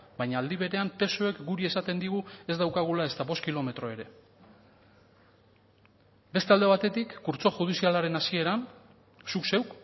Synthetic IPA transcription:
bajɲaːld̪iβ̞e̞ɾe̞ampe̞soe̞kɡuɾie̞sat̪e̞nd̪iɣ̞ue̞zd̪awkaɣ̞ulae̞st̪aβo̞skilo̞me̞t̪ɾo̞e̞ɾe̞ | be̞st̪e̞ald̪e̞β̞at̪e̞t̪ikːuɾt͡so̞ʝuð̞isialaɾe̞nasie̞ɾan | sukse̞wk

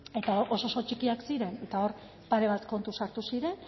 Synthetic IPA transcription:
e̞t̪aoʔoso̞so̞t͡ʃikiaksiɾe̞ne̞t̪ao̞ɾ | paɾe̞β̞at̪ko̞nt̪usaɾt̪usiɾe̞n

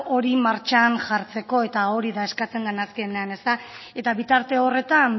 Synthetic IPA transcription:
o̞ɾimaɾt͡ʃanʝaɾt͡se̞ko̞e̞t̪ao̞ɾiðae̞skat͡se̞nɡ̪anaskene̞ane̞st̪ae̞t̪aβit̪aɾt̪e̞o̞re̞t̪an

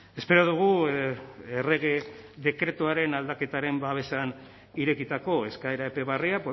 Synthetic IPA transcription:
e̞spe̞ɾoðuɣ̞u | ere̞ɣeðe̞kɾe̞t̪uaɾe̞nald̪ake̞t̪aɾe̞mbaβe̞san | iɾe̞kit̪ako̞e̞skae̞ɾaepe̞β̞ariap

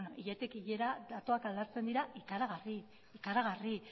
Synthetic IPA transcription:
noʔiʎet̪ekiʎe̞ɾad̪at̪o̞akald̪aɾt͡se̞nd̪iɾaʔikaɾaɣ̞ari | ikaɾaɣari

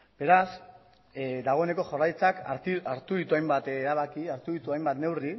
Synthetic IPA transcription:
b̥e̞ɾas | d̪aɣ̞o̞ene̞ko̞ʝorajt͡sakaaɾt̪uðit̪uajmbat̪ɾaβ̞akiaɾt̪uðit̪uajmbat̪ne̞wri

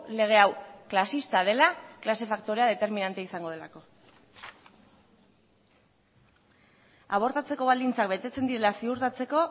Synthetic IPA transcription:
le̞ɣ̞e̞awklasist̪að̞e̞laklase̞fakt̪o̞ɾe̞aðe̞t̪e̞ɾminant̪eaisaŋɡo̞ð̞e̞lako̞ | aβ̞o̞ɾt̪at͡se̞ko̞β̞ald̪int͡sak̚be̞t̪e̞t͡se̞nd̪iɾe̞lasiuɾt̪at͡se̞ko̞

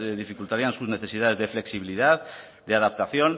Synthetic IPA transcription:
ðifikult̪aɾiansuzneθesiðaðezðefleksiβ̞iliðat̪ | d̪eaðap̚t̪aθjon

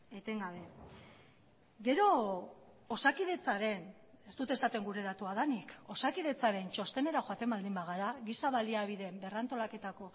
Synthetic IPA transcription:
e̞t̪e̞ŋɡaβ̞e̞ | ɡe̞ɾo̞ː | sakiðe̞t͡saɾe̞n | e̞st̪ut̪e̞sat̪e̞ŋɡuɾe̞ðat̪uaðaniko̞sakið̞e̞t͡saɾe̞nt͡ʃo̞st̪e̞ne̞ɾaxoat̪e̞mbald̪imbaɣaɾaɣisaβaliaβ̞iðe̞mbe̞reant̪o̞lake̞t̪ako̞

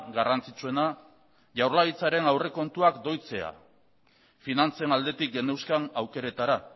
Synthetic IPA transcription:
ɡarant͡sit͡sue̞na | ʝawɾlaɣit͡saɾe̞nawre̞ko̞nt̪uakd̪o̞jt͡se̞a̰ | finant͡senald̪e̞t̪ik̚ɡe̞ne̞wskanawke̞ɾe̞t̪aɾa

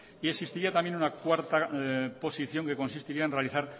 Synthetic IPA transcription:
ie̞sist̪iɾiat̪ambjenunakwaɾt̪apo̞siθjo̞ŋke̞ko̞nsist̪iɾiaenre̞aliθaɾ

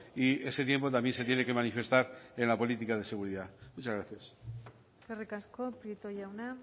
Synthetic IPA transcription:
ie̞se̞t̪je̞mpo̞t̪̬ambje̞nset̪jene̞ke̞manife̞st̪aɾenlapo̞lit̪ikað̞e̞se̞ɣ̞uɾiðamut͡ʃazɣɾaθjas | kerikaskopɾjet̪ojawna

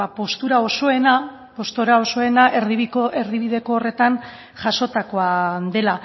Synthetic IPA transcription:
po̞st̪uɾao̞so̞e̞na | po̞st̪uɾao̞so̞e̞naʔeɾðiikoeɾðiβiðe̞koːre̞t̪an | ʝaʃo̞t̪akoad̪e̞la

